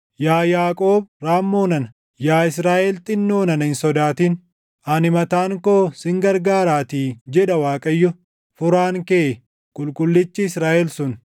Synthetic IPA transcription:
jaːjaːkʼoːbɾaːmːoːnɐnɐ | jaːɪsɾaːʔɛlt̪ʼɪnːo̞ːnɐnhɪnsɔd̪aːt̪iːn | ɐnɪmɐt̪aːŋkoːsɪŋɡɐɾɡaːɾaːt̪iːd͡ʒɛᶑɐwaːkʼɐjːɔ | fʊɾaːŋkeː | kʼʊlkʼʊlːɪt͡ʃːɪːsɾaːʔɛlsʊn

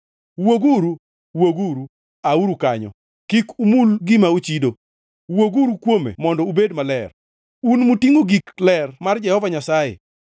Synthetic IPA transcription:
woɡuɾu | woɡuɾu | auɾukaɲɔ̰ | kikumulɡɪmaut͡ʃido | woɡuɾukwomḛmɔndɔubedmalɛr | unmutiŋoɡiklɛrmard͡ʒɛhɔvaɲasajḛ

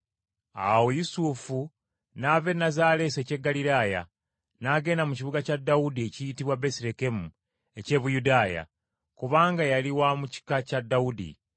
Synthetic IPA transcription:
a̰wojusufu | nave̞nazaːle̞se̞ce̞ɡːaliɾaːja̰ | naɡe̞ːnamuciβuɡacadːaudie̞cijitiβwabesiɾe̞ke̞mu | e̞ce̞ːβujudaːja̰ | kuβaːŋɡajaliwamuci̥kacadːawudḭ

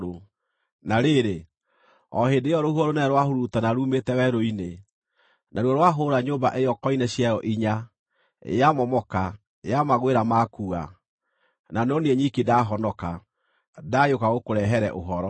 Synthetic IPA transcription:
o | naɾeɾe | ɔ̰hedeɔɾohuɔɾonɛɾwahoɾutanaɾuːmetɛwɛɾoine | naɾwɔɾwaɦoɾaɲoːmbaʔejɔkɔinɛɕjajɔʔiɲa̰ | jamɔmɔka | ejamaɣweɾamakua̰ | nanɔneɛɲikedaɦɔnɔka | dajokaɣokoɾɛɦɛɾɛʔoɦɔɾɔ

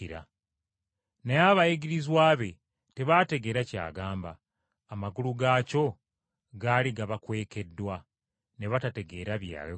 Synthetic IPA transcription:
iɾa̰ | neaβajiɡiɾizwaːβe̞ | te̞βate̞ɡe̞ːɾaca̰ːɡaːmbaː | maɡuluɡaːco̞ | ɡaːliɡaβakwe̞ːke̞dːwa | ne̞βatate̞ɡe̞ːɾaβja̰ːe

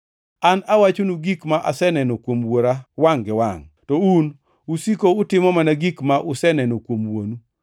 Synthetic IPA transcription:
anawat͡ʃonuɡikmaʔasɛnɛnokwomwoɾawaŋɡɪwaŋ | tɔun | usikoʊtɪmɔmanaɡikmaʔʊsɛnɛnokwomwonu

